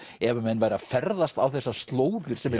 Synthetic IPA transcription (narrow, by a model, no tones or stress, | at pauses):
ɛvamɛnːvajɾafɛɾðast̪awθɛsːast̪loːwðʏɾ̥sɛmːɛ